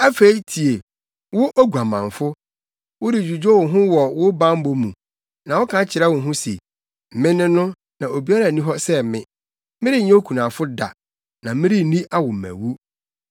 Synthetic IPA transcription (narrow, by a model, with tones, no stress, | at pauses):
a˦fe˦i˦tʰi˨e˨ | wʊ˦ʔo˦ɡu˨a˨mã̰˨ɱ˨fʊ˦ | wʊ˦dɪ˨d͡ʑᶣu˨d͡ʑo˦wʊ˨ɦʊ̃˦wɔ˨wʊ˦bã˦m̩˦bo˦mũ˨ | nã˨wʊ˦kʰã˦t͡ɕʰɪ˨ɾɛ˦wʊ̃˨nɦʊ̃˦sḭ˨ | m̩˨mɪ̃˦nɪ̃˦nʊ̃˦ | nã˨o˨bi˨˦a˦ɾa˨nĩ˦ɦɔ˦sɛ˦mɪ̰̃˦ | mɪ̃˦ɾi˦ɲɛ̃˦o˦kʰu˨nã˨fʊ˦da̰˨ | nã˨˦mɪ̃˦ɾi˦˨nĩ˦ʔa˦wʊ˨m̩˨æ̰̃˨wu˦